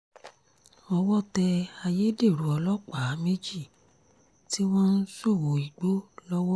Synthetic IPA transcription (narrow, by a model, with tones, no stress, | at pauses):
ɔ˧wɔ˦˨tɛ˧a˧je˦de˦˨ɾu˨ɔ˧lɔ˦k͡pa˨˦me˦d͡ʒi˦˨ | ti˦w̃ɔ̃˦n̩˦so˦˨wo˨i˨ɡ͡bo˦lɔ˦wɔ˦